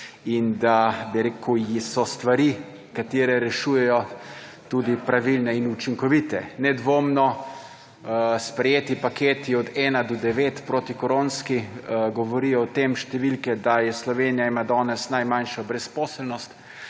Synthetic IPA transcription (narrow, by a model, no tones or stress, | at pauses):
ind̪abiɾeːkujsɔst̪ʋaɾi | kat̪eːɾɛɾɛʃuːjɛjɔ | t̪uːd̪ipɾaʋilnɛinut͡ʃiŋkɔʋiːt̪ɛnɛd̪ʋoːmnɔ | spɾɛjeːt̪ipakeːt̪iɔd̪ɛːnad̪ɔd̪ɛʋeːt̪pɾoːt̪ikɔɾonskiɡɔʋɔɾiːjɔɔt̪eːmʃt̪ɛʋilkɛd̪ajɛslɔʋeːnijaimad̪ɔːnɛsnajmanʃɔbɾɛspɔːslnɔst̪